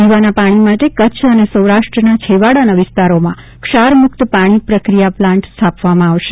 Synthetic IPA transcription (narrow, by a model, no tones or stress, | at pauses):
iʋanapaɽ̃imaʈekət͡ʃʰənesəwɾaʃʈɾənat͡ʃʰeʋaɽanaʋɪst̪aɾomã | kʃaɾmʊk̚t̪paɽ̃ipɾəkɾijaplãɳʈsst̪ʰapʋamãaʋʃe